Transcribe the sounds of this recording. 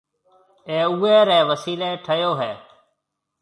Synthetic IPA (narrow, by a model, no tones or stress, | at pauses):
eːuːeːɾẽːʋəsiːleːʈʰəjoːɦeː